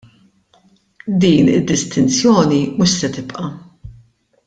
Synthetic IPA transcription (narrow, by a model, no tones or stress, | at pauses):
d̪iːnɪ̰d̪ːɪst̪ɪnt͡sjɔːnimʊʃsɛt̪ɪpʔɐ